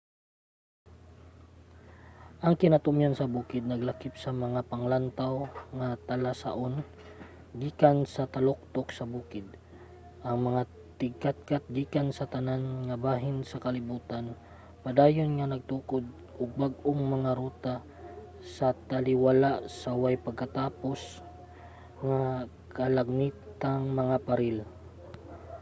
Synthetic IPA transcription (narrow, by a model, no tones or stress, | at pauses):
ʔɐŋkɪnat̪ʊmjansɐbuːkɪd̪̚nɐɡlakɪp̚sɐmɐŋapɐŋlant̪awŋat̪ɐlasa̰ʔon | ɡiːkansɐt̪ɐlok̚t̪oksɐbuːkɪd̪̚ | ʔɐŋmɐŋa | t̪ɪɡ̚kat̪̚kat̪̚ɡiːkansɐt̪ɐnanŋɐbaːɦɪnsɐkɐlɪbuːt̪an | pɐd̪aːjonŋɐnɐɡ̚t̪uːkod̪̚ | ʊɡ̚baɡʔoŋmɐŋaɾuːt̪a | sɐt̪ɐlɪwalaʔsɐwajpɐɡ̚kɐt̪aːpo̞s | ŋa | kɐlɐɡ̚niːtt̪aŋmɐŋapɐɾɪl